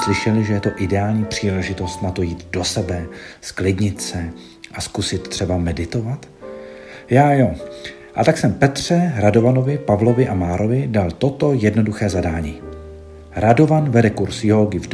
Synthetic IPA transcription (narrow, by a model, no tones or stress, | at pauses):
slɪʃɛlɪʒɛjɛt̪o̞ʔɪdɛaːlɲiːpr̝̥iːlɛʒɪt̪o̞st̪nat̪o̞jiːt̪do̞sɛbɛsklɪdɲɪt̪sɛ | ʔaskusɪt̪t̪ːr̝̥ɛbamɛdɪt̪o̞vat̪ | jaːjo | ʔa̰t̪aksɛmpɛt̪r̝̥ɛɾado̞vano̞vɪpavlo̞vɪʔamaːɾʔo̞vɪdalt̪o̞t̪o̞jɛdno̞duxɛːzadaːɲiː | ɾado̞vanvɛdɛkuɾsjɦoɡɪv